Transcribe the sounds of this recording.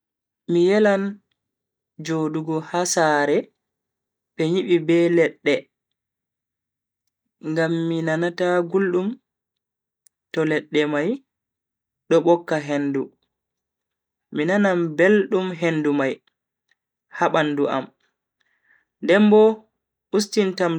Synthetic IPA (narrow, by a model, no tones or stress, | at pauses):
mijɛlan | d͡ʒoduɡɔhasaːɾɛ | ɓɛɲiɓibɛlɛɗːɛ | ŋɡamːinanataɡulɗum | tɔlɛɗːɛmaj | ɗɔɓɔkːaɦendu | minanambelɗumɦendumaj | haɓanduʔa̰m | ndɛmbɔ | ustintam